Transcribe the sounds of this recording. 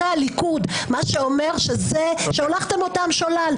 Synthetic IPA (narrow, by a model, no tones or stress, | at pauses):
aalikudmaʃeo̞me̞ʁʃezeʃeolaχt̪emo̞tamʃolal